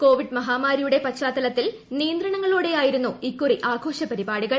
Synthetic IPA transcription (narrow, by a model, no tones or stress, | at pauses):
ko̞ːʋiɖmɐɦaːmaːɾijuɽe̞pɐt͡ɕaːt̪ːɐlɐt̪ːil | nijɐnd̪ɾɐɳɐŋːɐɭuːɽe̞jaːjiɾunːuikːuriʔaːɡʱo̞ːʂɐpɐɾibaːɽiɣɐɭ